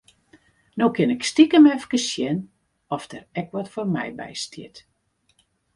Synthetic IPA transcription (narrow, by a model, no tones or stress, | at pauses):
nokɪnɛkstikəmɛfkəsjɛn | ɔfdərɛkʋɔtformɛ̰jbɛ̰jstʰɪ̰t